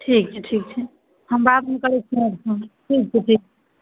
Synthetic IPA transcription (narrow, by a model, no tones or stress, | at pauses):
ʈʰik̚t͡ʃʰɛʈʰik̚t͡ʃʰɛ | həmbat̪mekəɾɛt͡ʃʰiəɾsʰəʈʰik̚t͡ʃʰɛʈʰik̚t͡ʃʰɛ